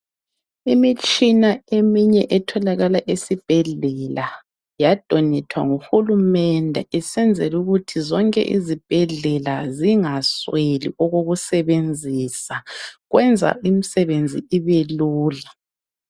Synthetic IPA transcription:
imit͡ʃʼinaemiɲɛʔɛtʰɔlaɣalaʔesib̥ʱɛɮɛla | jad̥ʱɔnɛtʰwa̰ŋuxulumɛndʱɛɛsɛnd͡zʱɛluɣutʰizɔŋkʼɛ̰ʔḭzib̥ʱɛɮɛlaziŋaswelḭɔɣoɣusɛβend͡zʱisaɣwɛnd͡zʱa̰imisɛβend͡zʱḭiβeluːla

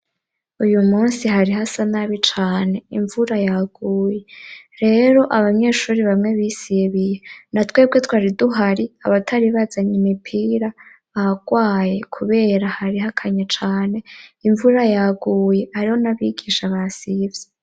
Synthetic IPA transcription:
ujumuːnsiɦaɾiɦasanaβit͡ʃaːne̞iɱvuɾajaɡ̥uːje̞ɾe̞ɾo̞ʔaβamɲe̞ːʃuːɾiβamŋe̞βisiβije̞natweːb̚ɡe̞twaːɾiduɦaɾia̰βatʰaɾiβazaɲimipʰiːɾa | βaɡ̥waːje̞kʰuβe̞ɾahaɾiɦakʰaɲet͡ʃaːne̞iɱvuɾajaɡuːje̞aɾiho̞naβiɡiːʃaβasivje

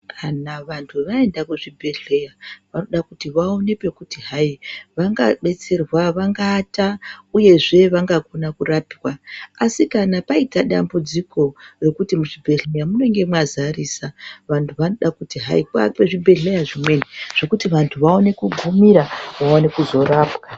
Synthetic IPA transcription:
anaʋantʰuʋaendakuʐibʱe̞ɮe̞jaʋano̞ɗakutiʋao̞ne̞pe̞kutiɦaiʋaŋɡaɓe̞t͡se̞rwaʋaŋɡaːtauje̞ʐe̞ʋaŋɡakonakurapiwaasikanapaitaɗa̰mbud͡zikʰo̞re̞kutimuʐibʱe̞ɮe̞jamuno̞ŋɡe̞mwazarisaʋantʰuʋano̞ɗakutiɦa̰ipape̞ʐibʱe̞ɮe̞jaʐimwe̞niʐ̥o̞kutiʋantʰuʋao̞ne̞kuɡʱumiɾaʋaone̞kuzo̞raːpwa

